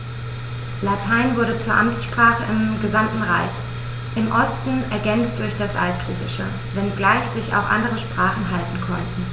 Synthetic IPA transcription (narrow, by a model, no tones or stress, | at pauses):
latʰaɪnvʊɐɾət͡suːɐʔamt͡sʃpʁ̥aːχəʔɪmɡəzamtn̩ʁaɪç | ʔɪmʔɔstn̩ɛɐɡɛnt͡std̥ʊɐçd̥asʔa̰lt̚tʁ̥uːɡɪʃə̰ | vɛnɡlaɪçz̥ɪça̰ʊxʔa̰ndəʁəʃpʁ̥aːχn̩ɦaltn̩kʰɔntn̩